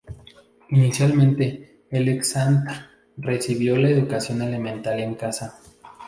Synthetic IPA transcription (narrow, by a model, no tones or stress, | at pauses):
inisjalmẽ̞nt̪e̞ | eleksant̪ɾ | re̞siβjo̞laeðukasjo̞ne̞le̞mẽnt̪aɾjaeŋkasa